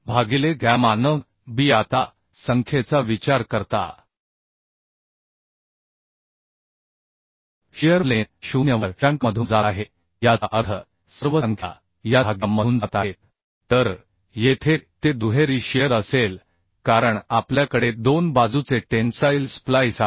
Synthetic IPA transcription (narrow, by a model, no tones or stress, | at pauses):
bʱaɡileɡamanəŋ | biːat̪a | səŋkʰjet͡saʋit͡ɕaɾkəɾt̪a̰ | ɕijəɾleɕunjəʋəɾãŋkməd̪ʱund͡zaɦe | jaʔət̪ʰə | səɾʋəəŋkʰja̰ | jaaɡəmːənd͡zat̪aɦet̪̚ | t̪ːəɾ | jet̪ʰet̪ed̪uɦeɾiːɕiəɾəsel | kaɾəɳapljakəɽed̪onbad͡zut͡seʈensailsplajsa